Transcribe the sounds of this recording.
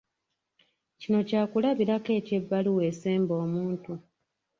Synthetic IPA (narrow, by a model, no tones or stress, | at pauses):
cino̞caːkulaβiɾake̞ːce̞bːaliwe̞ːseːmbo̞ːmuːntu